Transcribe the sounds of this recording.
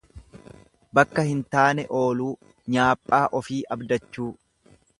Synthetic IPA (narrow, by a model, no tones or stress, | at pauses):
bɐkːɐhɪnt̪aːnɛʔo̞ːluː | ɲaːpʼːaːʔɔfiːʔɐbd̪ɐt͡ʃːuː